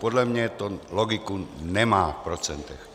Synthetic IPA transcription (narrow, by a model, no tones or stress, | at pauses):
pɔd̪ʎamɲat̪ɔlɔɡikunɛmaːfpɾɔt͡sɛnt̪ɔx